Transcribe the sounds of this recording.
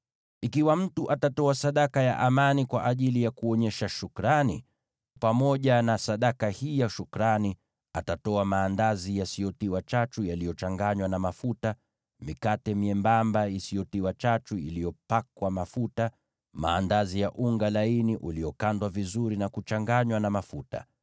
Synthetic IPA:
ikiwam̩tuʔatatɔasaɗakaja̰ʔamanikwaʔaʄilijakuɔɲɛʃaʃukɾani | pamɔʄanasaɗakahijaʃukɾani | atatɔamaːndazijasijɔtiwat͡ʃat͡ʃujalijɔt͡ʃaŋɡaɲwanamafuta | mikatɛmiɛmbambaisijɔtiwat͡ʃat͡ʃuḭlijɔpakwamafuta | ma̰ːndazijaʔuŋɡalainiʔulijɔkandwavizuɾinakut͡ʃaŋɡaɲwanamafuta̰

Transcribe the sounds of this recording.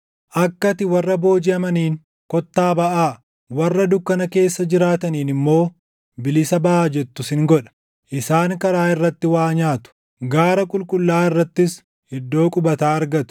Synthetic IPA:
ʔɐkːɐt̪ɪwɐrːɐbo̞ːd͡ʒɪɐmɐniːŋ | kɔt̪ːaːbɐʔaː | wɐrːɐd̪ʊkːɐnɐke̞ːsːɐd͡ʒɪɾaːt̪ɐniːnɪmːo̞ː | bɪlɪsɐbɐʔaːd͡ʒɛt̪ːʊsɪŋɡɔᶑɐ̥ | ʔɪsaːŋkɐɾaːɪrːɐt̪ːɪwaːɲaːt̪ʊ̥ | ɡaːɾɐkʼʊlkʼʊlːaːɪrːɐt̪ːɪs | hɪd̪ːo̞ːkʼʊbɐt̪aːɐɾɡɐt̪ʊ̥

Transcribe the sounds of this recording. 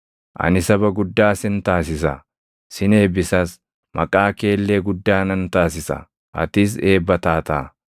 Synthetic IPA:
ʔɐ̰nɪsɐbɐɡʊd̪ːaːsɪnt̪aːsɪsɐ | sɪneːbɪsɐs | mɐ̰kʼaːke̞ːlːe̞ːɡʊd̪ːaːnɐnt̪aːsɪsɐ̰ | ʔɐ̰t̪ɪs̬e̞ːbːɐt̪aːt̪aː

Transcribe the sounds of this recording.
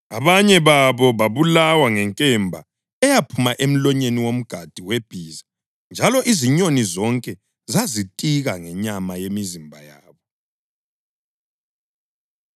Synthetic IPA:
aβaɲɛβaβɔβaβulawaŋɛŋkʼɛmbʱa̰ | ɛjapʰumaʔem̩lɔɲeniwom̩ɡ̥ʱad̥ʱiweb̥ʱiːza | nd͡ʒʱalɔʔiziɲonizɔŋkʼɛ | zazitʼiɣaŋɛɲamajemizimbʱajaːβɔ

